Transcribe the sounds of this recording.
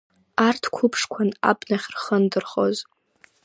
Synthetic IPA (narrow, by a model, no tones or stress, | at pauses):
artʰkʷʰʊpʰʂkʷʰana̰bʼnaχʲrχəndɨrχo̞̰z